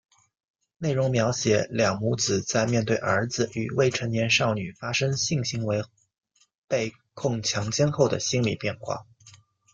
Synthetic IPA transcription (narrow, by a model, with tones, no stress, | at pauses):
ne˥˩ɪɻʊ˧˥ŋmjɑ˧˥ʊɕjɛ˨˥ljɑ˨˩ŋmu˧˥t͡sɹ̩˨˩t͡sa˥˧ɪmjɛ˥˧nt̪we˥˩ɪʔə̰˞˧˥d͡zɹ̩˧y˨˩we˥˩ɪʈ͡ʂʰə˧˥ŋnjɛ˧˥nʂɑ˥˩ʊny˨˩fa˥ʂɤ˥ŋɕi˥˩ŋɕi˧˥ŋwe˧˥ɪ | pe˥˧ɪ | kʰʊ˥˩ŋt͡ɕʰjɑ˧˥ŋt͡ɕjɛ˥nxo˥˩ʊd̪ə̰˩ɕi˥nlḭ˨˩pjɛ˥˧nxwa̰˥˩